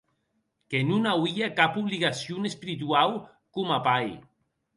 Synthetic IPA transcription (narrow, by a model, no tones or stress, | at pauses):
kenunawiakapuβliɣasjunespiɾit̪uaw | kumapaj